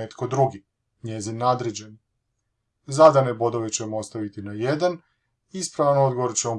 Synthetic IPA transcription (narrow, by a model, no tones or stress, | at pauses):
et̪ko̞d̪ɾuɡi | ɲe̞zinːaːd̪ɾed͡ʑen | zad̪ane̞bo̞d̪o̞ʋe̞t͡ɕe̞moost̪aʋit̪inaje̞d̪an | ispɾaʋano̞d̪ɡo̞ʋoɾt͡ɕemo